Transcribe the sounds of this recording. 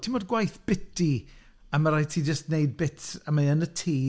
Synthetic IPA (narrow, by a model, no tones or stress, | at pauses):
tʰimɔdɡwajθb̥ɪti | amaɾajtʰiːd͡ʒəstnejd̚bɪtamaənətʰiː